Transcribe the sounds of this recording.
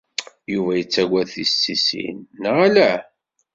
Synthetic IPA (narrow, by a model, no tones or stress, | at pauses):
juvæjət͡sːæɡæθisːisḭnːəʁælæ